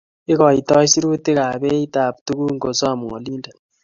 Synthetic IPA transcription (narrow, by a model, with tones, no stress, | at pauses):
ɪ˦kɔ˨i˨tɔ˦si˦ɾu˦te˦ka˨bɛ˦i˦ta˨p̚tu˦ɡu˦ŋɡo˨sɔ˦a˨mɔ˨ɔ̰˨li˦nda˨